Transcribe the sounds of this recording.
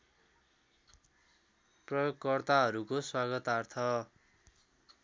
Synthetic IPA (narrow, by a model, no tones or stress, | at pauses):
prʌjoɡkʌrt̪aɦʌɾukoswaɡʌt̪art̪ʰʌ